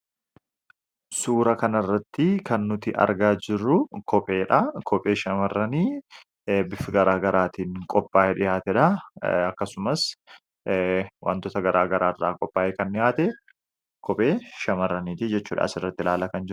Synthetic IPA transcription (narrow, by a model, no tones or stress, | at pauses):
suːɾɐkɐnɐrːɐt̪ːɪkɐnːʊt̪ɪʔɐ̰ɾɡaːd͡ʒɪrːʊkɔpʼeːᶑɐkʰɔpʼe̞ːʃɐmɐrːɐniː | bɪfɪɡɐɾaːɡɐɾaːt̪iːŋkʼɔpʼːaːʔɛᶑɪjaːt̪ɛᶑɐɐkːɐsʊmɐs | wʔa̰ːnt̪ɔːt̪ɐɡɐɾʔaːɡɐɾaːrːa̰ːkʼɔpʼːaːʔɛkɐnːɪjaːt̪ɛ | kʰɔpʼe̞ːʃɐmɐrːɐniːt̪ɪd͡ʒɛt͡ʃːuːᶑa̰sɪrːɐt̪ːɪlaːlɐkɐnd͡ʒɪɾʊ